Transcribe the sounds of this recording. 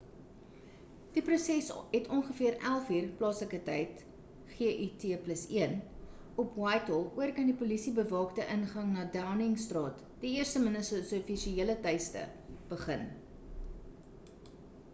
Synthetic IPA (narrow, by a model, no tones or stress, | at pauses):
d̥iprusɛsɛtʰɔŋχəfiəɾælˠfiːrplɑːsləkətɛjt | χeəʔytʰeːpləsiən | ɔpwɑjtɔlˠuərkɐndipulisibəvɑːktəʔənχɐŋnɑːdawnɪŋstrɑːt | d̥iiərstəmənəsəsufiʃieələtɛjstə̰b̥əχən